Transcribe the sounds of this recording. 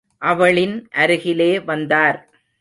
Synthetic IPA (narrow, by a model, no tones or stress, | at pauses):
ʔɐʋɐɭɪnʔɐɾɯɣɪleːʋɐnd̪aːɾ